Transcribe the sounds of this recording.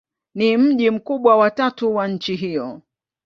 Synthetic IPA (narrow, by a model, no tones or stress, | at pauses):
nim̩ʄim̩kuɓwawatatuwaɲ̩t͡ʃiɦijɔ